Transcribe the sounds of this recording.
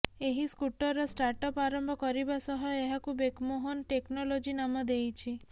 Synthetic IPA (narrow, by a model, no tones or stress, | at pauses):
eɦiskuʈɔɾɔsʈaɾʈɔpaɾɔmbɔkɔɾibasɔɦɔeɦakubekmoɦɔnʈeknɔlod͡ʒinamɔd̪ejt͡ʃʰi